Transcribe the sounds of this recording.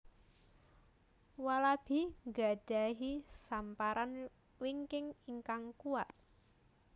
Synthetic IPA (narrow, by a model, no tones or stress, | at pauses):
walab̥i̤hŋɡa̤d̥a̤ɦisampaɾan | wiŋkɪŋiŋkaŋkuat̪̚